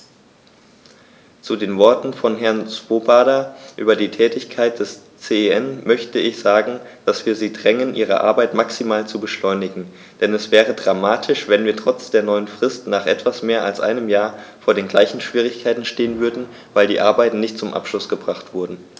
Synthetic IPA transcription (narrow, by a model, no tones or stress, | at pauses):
t͡sudeːnvɔɐtn̩fɔnɦɛɐnt͡sv̥oːbaːɾɐʔy̰ːbɐdiːtʰɛːtɪçkʰaɪt̚d̥ɛst͡seɛnmœçtəɪçz̥aːɡŋ̩d̥asv̥iːɐziːdʁɛŋənʔiːʁ̞ə̰ʔa̰ɐbaɪtmaksimaːlt͡subəʃlɔʏnɪɡŋ̩ | d̥ɛnɛsv̥ɛːʁ̞ədʁamaːtʰɪʃv̥ɛnviːɐtʁ̥ɔt͡sd̥eːɐnɔʏənfʁ̥ɪstnaːχʔɛ̰tv̥asmeːɐʔa̰lsʔa̰ɪnəmjaːɐfoːɐɾeːnɡlaɪçn̩ʃv̥iːʁɪçkʰaɪtn̩ʃteːənvʏɐdn̩ | vaɪldiːʔaɐbaɪtn̩nɪçt̚t͡sʊmʔa̰pʃlʊsɡ̥əbʁaχtv̥ʊɐdn̩